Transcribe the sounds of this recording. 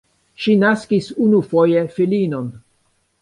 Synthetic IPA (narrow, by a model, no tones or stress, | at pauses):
ʃinaskisunufojefilino̞n